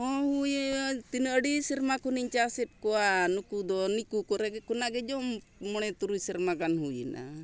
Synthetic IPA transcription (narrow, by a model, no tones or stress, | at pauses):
ɔhujet̪inəəɖisiɾmakuniɲt͡ʃasɛt̚kɔwanukud̪ɔnikukɔɾɛɡɛkɔnaɡɛd͡ʒɔmː | ɔɽ̃ɛt̪uɾujsiɾmakanɦujḭna̰